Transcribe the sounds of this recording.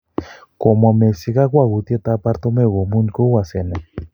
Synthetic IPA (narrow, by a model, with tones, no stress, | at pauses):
ko˨mo˨me˨si˧ka˦kwa˦˨ɣu˨t̪i˦e˦t̪a˦pa˦ɾt̪o˦me˦ɣo˨mu˦nko˦wa˨se˨ne˨